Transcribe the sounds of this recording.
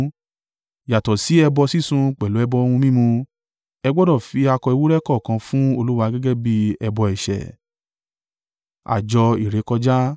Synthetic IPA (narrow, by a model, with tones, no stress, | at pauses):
ja˨tɔ˨si˨˦ɛ˧bɔ˧si˦˨sũ˧k͡pɛ˨lo˨˦ɛ˧bɔ˧o˧hũ˧mĩ˦mũ˧ | ɛ˧ɡ͡bɔ˦dɔ˦˨fi˧a˧kɔ˧i˧wu˦ɾɛ˦kɔ˦˨kã˧fũ˦o˧lu˦wa˧ɡɛ˦ɡɛ˦bi˦ɛ˧bɔ˧ɛ˨ʃɛ̰˨ | a̰˨d͡ʒɔ˧i˨ɾe˨˦kɔ˧d͡ʒa˦